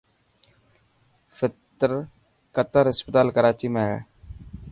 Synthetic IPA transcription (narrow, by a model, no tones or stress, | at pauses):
fɪt̪əɾ | kət̪əɾɪspət̪aːlkəɾaːt͡ʃiːmẽːɦɛ̰ː